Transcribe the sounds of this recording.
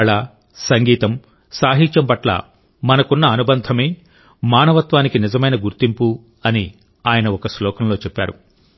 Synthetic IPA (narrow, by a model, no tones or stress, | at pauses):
ɭaː | sɐŋɡiːt̪ɐm | saːɦiɲt͡ʃɐmpɐʈlɐ̰ | mɐnɐkunːɐːnubɐnd̪ʱɐme̞ː | maːnɐʋɐt̪ʋaːnikinizɐmɐjnɐɡuɾt̪impu | ɐni | aːjɐnɐɔkɐslɔːkɐmlo̞ːt͡ʃɛpːa̰ːɾṵ